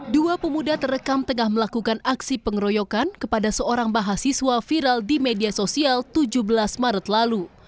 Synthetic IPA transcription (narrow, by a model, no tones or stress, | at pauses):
duapəmudat̪əɾəkamt̪əŋahməlakukanaksipəŋəɾojɔkankəpadasəoɾaŋbaɦasiswafiɾaldimediasosialt̪ud͡ʒubəlasmaɾət̪lalu